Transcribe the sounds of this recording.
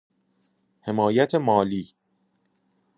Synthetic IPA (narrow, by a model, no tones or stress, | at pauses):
he̞mɒːjæt̪ʰemɒːliː